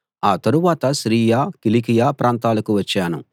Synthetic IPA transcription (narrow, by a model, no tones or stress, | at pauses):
aːt̪ɐɾuʋaːt̪ɐʃɾiːjaːkilikijaːpɾaːnt̪aːlɐkuʋɐt͡ʃːaːnṵ